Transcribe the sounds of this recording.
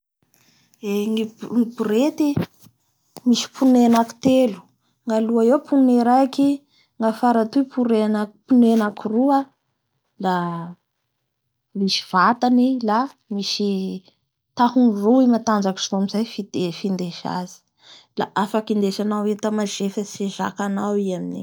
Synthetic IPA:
eŋiŋipuɾet̪i | misi̥pʰunenaki̥t̪elu̥ | ŋaluaepuneɾaki | ŋafaɾat̪upʰuɾenakpunenakirua | la | misi̥v̥at̪anila | misi | t̪ahunruimat̪and͡ʒaki̥soamizajfid̪̥efind̪eʃa̰z̥i̥ | la̰ʔafakind̪eʃanawwet̪amaʒefaseʒa̰kanawiamini

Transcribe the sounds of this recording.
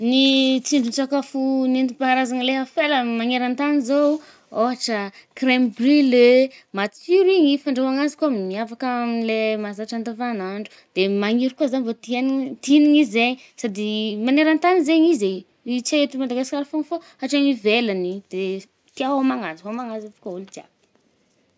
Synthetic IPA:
nit͡siɳɖ͡ʐunt͡sakafunint̪ipaaɾazaŋəleɦafeləmaŋeɾant̪anizo | oɦaʈ͡ʂəkrembrilemat͡siɾiɲifaɳɖ͡ʐewaŋazi̥kuamimiafakamilemazaʈ͡ʂant̪avanaɳɖ͡ʐu̥ | d̪̥emaŋiɾikuazanvot̪int̪iniŋizeɲ | sad̪imaneɾant̪anizeɲize | it͡seet̪umad̪aɡaskʲaɾifonfo | aʈ͡ʂaŋivelanid̪̥e | t̪iaɦamaŋazaomaŋazat̪u̥kaulut̪ia̰b̥

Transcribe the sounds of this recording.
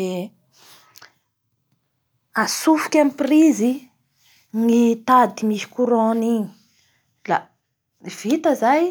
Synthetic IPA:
e | asufu̥kʲamiprizi | ŋit̪ad̪imiʃi̥kuɾoniɲi̥ | la̰ | v̥it̪əzaj

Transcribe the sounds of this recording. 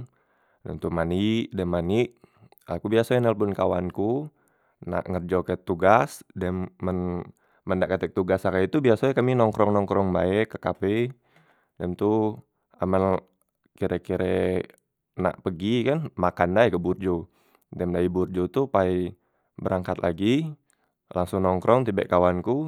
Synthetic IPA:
dɛmt̪umaniʔdɛmːaniʔ | akubiasaɛnɛlpʊnkawanku | na̰ʔŋərd͡ʒɔkɛt̪uɡasdɛmːənː | əndaʔkat̪ɛk̚t̪uɡasakait̪ubiasaɛkaminɔŋkɾɔŋnɔŋkɾɔŋbaɛkakapɛ | dɛmt̪u | aman | kiɾɛkiɾɛ | na̰ʔpəɡikanmakandajkəburd͡ʒo | dɛmdaiburd͡ʒot̪upai | bəɾaŋkat̪laɡi | lʔaŋsʊŋnɔŋkɾʔɔŋt̪ibɛ̰ʔkawanku

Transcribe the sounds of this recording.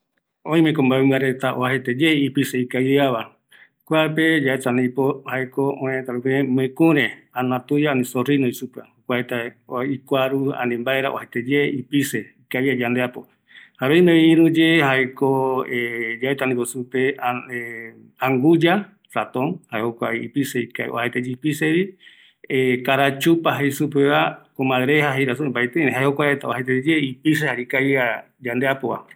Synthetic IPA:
õĩmẽkombaemɨaɾet̪aoahet̪ed͡ʒeipiseikajaβa | kʷaɾped͡ʒaet̪anipohaekoõẽt̪aɾupĩmẽkũɾeanãt̪ujaanĩsorinoisupahokʷaet̪aikʷaɾua̰nĩmbaeɾa̰ohet̪ed͡ʒeipiseikaiad͡ʒand̪eapo̰ | haβejmeiĩɾũd͡ʒehaekoed͡ʒaet̪anĩkosupeae | aŋɡud͡ʒa | fat̪õnhaehokʷaiipiseika̰ḭʔo̰hejt̪ed͡ʒipiseɾi | ekaɾat͡ʃupaɦejsup̬eβakomãðɾehaɦejɾasuẽmbajt̪eneɦaehokʷaet̪aohet̪̬ed͡ʒeipis̬ehaɾikaja | d͡ʒand̪eapoβa̰

